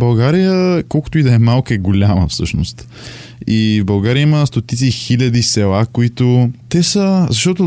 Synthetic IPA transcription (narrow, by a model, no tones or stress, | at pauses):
bɐlˠɡaɾijəkɔlˠkʊ̥t̪oʊid̪ɐɛmalˠkəɛɡolʲamə̰fsɤʃno̰st̪ | ivbɐlˠɡaɾijəiməst̪ot̪it̪sixilʲɐd̪isɛlˠakoit̪ot̪ɛsəzɐʃt̪ɔt̪ʊ